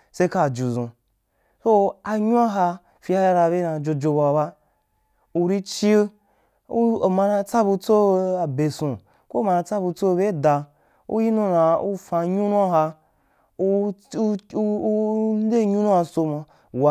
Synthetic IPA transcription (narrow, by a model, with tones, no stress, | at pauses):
se˦ka˦˨d͡ʒu˨zũ˧ | so˦a˧ɲu˦a˦ɦa˧ | fi˧a˧ja˦ɾa˧˨be˦nã˧˨d͡ʒo˧d͡ʒo˧ba˧a˨˧ba˦ | u˧ɾi˦t͡ʃi˦e˦ | u˦o˨mã˧nã˧t͡sa˦bu˧t͡so˦a˨be˨sũ˨ | ko˦˨ma˧nã˧t͡sa˦bu˧t͡so˦˧be˦˨da˨˧ | ṵ˦ji˦nũ˦nã˧u˦fa˧˨ɲũ˦nũ˦a˦ɦa˧ | u˦ | n˦de˦˨ɲu˦nũ˦a˧so˧mã˧˨ | wa˨